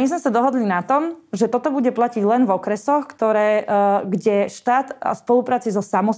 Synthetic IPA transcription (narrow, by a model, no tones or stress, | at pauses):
izmɛsad̪ɔɦɔd̪linat̪ɔmʒɛt̪ɔt̪ɔbuɟɛplaciɟlɛnvɔkɾɛsɔxkt̪ɔɾɛːɡɟɛʃt̪aːt̪a̰spɔlupɾaːt͡sizɔsamɔ